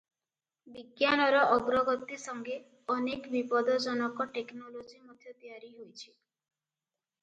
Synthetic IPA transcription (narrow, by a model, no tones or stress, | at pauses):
biɡjanɔɾɔʔɔɡɾɔɡɔt̪isɔŋɡe | ɔnekbipɔd̪ɔd͡ʒɔnɔkɔʈeknɔlod͡ʒimɔd̪ʱʰjɔt̪ijaɾiɦojt͡ʃʰi̥